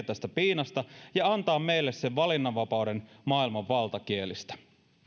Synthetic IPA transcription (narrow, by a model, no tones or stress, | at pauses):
t̪æst̪æpiːnɑst̪ɑjɑɑnt̪ɑːmme̞jlːesse̞ʋʋɑlinːɑʋːɑpɑwde̞nmɑːilmɑʋʋɑlt̪ɑkielist̪æ̥